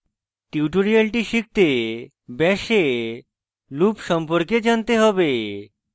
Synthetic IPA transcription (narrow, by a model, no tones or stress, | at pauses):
ʈiuʈoɾialʈiʃik̚t̪e | bɛʃe | lupʃɔmpoɾked͡ʑant̪eɦɔbe